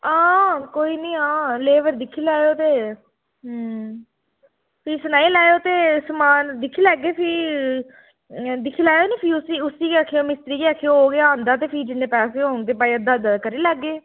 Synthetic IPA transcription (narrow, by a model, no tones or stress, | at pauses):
ãːkoːiːnĩːɦãːleːʋəɾd̪ɪkʰːiːlaːjoːt̪eː | pʰiːsʊnaːiːlaːjoːt̪eːsəmaːnd̪ɪkʰːiːlɛːɡːeːpʰi | d̪ɪkʰːiːlaːjoːnĩːpʰiːʊsiːʊsiːkeaːkʰːeoːmɪst̪ɾiːkeaːkʰːeɦoːɡeãːnd̪aːt̪eːpʰiːd͡ʒɪnːẽːpɛːseːɦoːŋɡt̪eːpaːiːəd̪aːd̪kəɾiːlɛːɡːeː